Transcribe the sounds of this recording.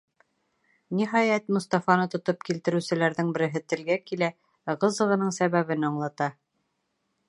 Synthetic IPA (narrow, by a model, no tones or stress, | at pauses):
nʲiɦɑjæt̪mŏst̪ɑfɑnɤt̪ŏt̪opkilt̪ɘ̆ɾʉ̆sɘ̆læɾðɘŋbɘ̆ɾɘ̆ɦɘt̪ɘ̆lɡækilæ | ʁɤ̆zɤ̆ʁɤ̆nɤɴsæβæβɘnɑɴlˠɑt̪ɑ